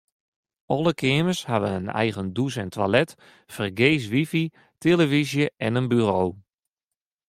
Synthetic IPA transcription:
ɔlˠəkʰɪəməshaʋəənɛ̰jɣəndusɛntʰʋalɛt | fərɡeːs̬ʋifi | tʰeləvizjəʔɛnənbyroː

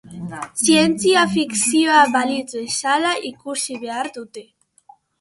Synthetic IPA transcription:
sjenθjafiksiaβalit͡s̪esalaʔikusiβeaɾt̪ut̪e

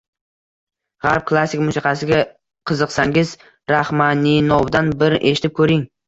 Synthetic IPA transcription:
ʁaɾp̚kʰlˠasːɪkʲmʊsiqɑsɪɡʲa | qʰɨzɨqsaŋɪz | ɾahmaninɒwd̪anbɪɾɪʔe̞ʃɪ̥t̪ɪp̚kʰɵɾɪŋ

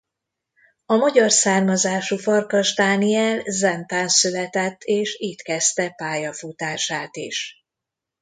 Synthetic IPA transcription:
ɒmɒɟɒrsaːrmɒzaːʃufɒrkɒʒd̪aːniɛlzɛnt̪aːnsylɛt̪ɛt̪ʰːeːʃiːt̪kɛst̪ɛpaːjɒfut̪aːʃaːt̪iʃ

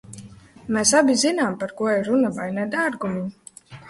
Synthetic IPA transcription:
mɛsabʲizinaːmpaɾkuɔɛɾunavajnɛd̪aɾɡumi

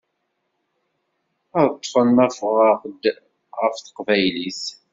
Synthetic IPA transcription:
əðt̪ˤːfənːæfʁɑʁd̪ | ʁəfθə̥qvæjliθ

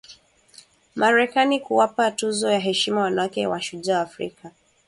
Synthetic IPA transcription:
mʔaɾɛkanikuwapatuzɔjaɦɛʃimawanawakɛwaʃuʄawaːfɾika

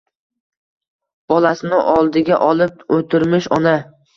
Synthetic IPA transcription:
b̥ɒlasɪnɪʔɒlˠd̪ɪɡʲaʔɒlˠɪp̚ɵt̪ʰɪɾmɪʃɒna

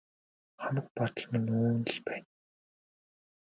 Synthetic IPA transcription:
χamə̆k̚pɔt̪ə̆ɮmɪ̆nuːnə̆ɮpæːn

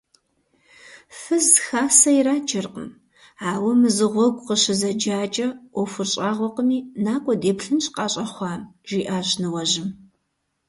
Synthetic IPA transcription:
fɨzxaːsɐiraːt͡ʃʰʼɪrqə̰m | aːwɐmɨzɨʁʷɔɡʷʼqəɕɪzɐd͡ʒaːt͡ʃʼɐʔʷɔfʷʊrɕʼaːʁʷɔqəmiːnaːkʷʼɔdeːpɬɨnɕʼqɑːɕʼɐχʷɑːmʒ̥iːʔaːɕnɨwɐʑɪm

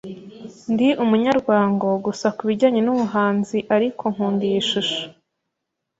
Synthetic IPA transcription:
ndiʔumuɲaɾɡwaːŋɡoɡusakuβiɟaːɲe̞numuɦaːnziʔaɾikʰo̞ŋ̥uːndijiʃuʃo̥

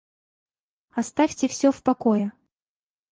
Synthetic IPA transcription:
ast̪afʲtʲɛfsʲɔfpakɔjɛ

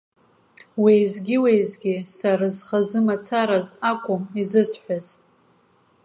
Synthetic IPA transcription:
wejzɡʲiwejzɡʲisaɾazχazɨmat͡sʰaɾazakʷʼʊmizɨsħʷᶣaz

